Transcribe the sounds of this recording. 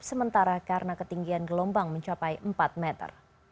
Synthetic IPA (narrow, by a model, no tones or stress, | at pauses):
psəmənt̪aɾakaɾənakət̪iŋɡianɡəlɔmbaŋməɲt͡ʃapajʔəmpat̪̚mɛt̪ə̰r